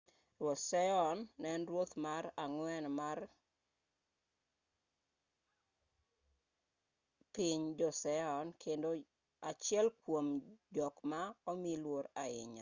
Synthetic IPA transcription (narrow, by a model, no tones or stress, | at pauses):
rwotsɛɔnːɛnɾwot̪maɾaŋwɛnmar | piɲd͡ʒɔsɛɔnkʰendo | at͡ʃjɛlkwomd͡ʒɔkmaɔmilwoɾaɪ̰ɲa̰